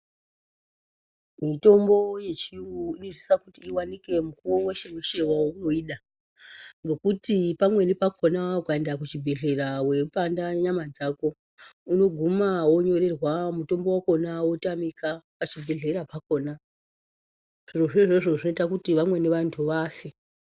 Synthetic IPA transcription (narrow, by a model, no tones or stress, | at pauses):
mito̞mbo̞je̞t͡ʃiwuinoi̥sakutiːwanike̞mukuwoweʃeweʃewawouno̞iːɗa | ŋɡe̞kutipamwe̞nipako̞naukaendak̬ut͡ʃibʱe̞ɮe̞raweupandaɲamad͡zako̞ | uno̞ɡʱumawo̞ɲo̞ɾe̞rwamuto̞mbo̞wako̞nawotamikapat͡ʃibʱe̞ɮe̞ɾapako̞ːna | ʐ̥iroʐeʐoʐo̞ʐino̞itakutiʋamwe̞neʋantʰuʋaːfe